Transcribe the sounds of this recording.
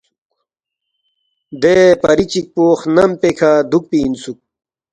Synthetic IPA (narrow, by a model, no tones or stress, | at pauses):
d̪epɐɾit͡ɕik̚poːχnɐmpekʰad̪uk̚pinsuk̚